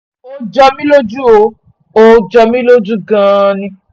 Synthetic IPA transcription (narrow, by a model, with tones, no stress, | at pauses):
o˦d͡ʒɔ˧mĩ˦lo˦d͡ʒu˦o˨˦ | o˦d͡ʒɔ˧mĩ˦lo˦d͡ʒu˦ɡã˧nĩ˧